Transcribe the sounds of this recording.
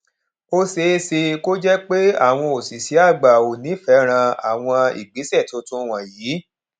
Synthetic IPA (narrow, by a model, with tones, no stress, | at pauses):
o˦se˧˦se˧ko˦d͡ʒɛ˦k͡pe˦a̰˦˨w̃ɔ̃˧o˨si˨si˨˦a˦˨ɡ͡ba˨o˨nĩ˨˦fɛ˨˦ɾ̃ã˧a̰˨w̃ɔ̃˧ḭ˨ɡ͡bi˨˦sɛ˦˨to˨˧˦tũ˦w̃ã˨jiː˨˦